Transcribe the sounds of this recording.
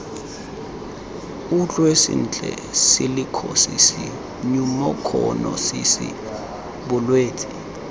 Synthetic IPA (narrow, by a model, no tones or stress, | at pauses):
ut͡ɬʼwesḭnt͡ɬʼɛ̰ | silikʰɔsisi | ɲumɔkʰɔnɔsisḭ | ɓʊlweːtʰʼi̥